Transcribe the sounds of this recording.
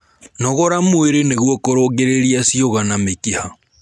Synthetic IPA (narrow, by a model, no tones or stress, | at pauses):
nɔɣɔɾamweɾeneɣwɔkoɾoːɡeɾeɾiasioɣanamekiha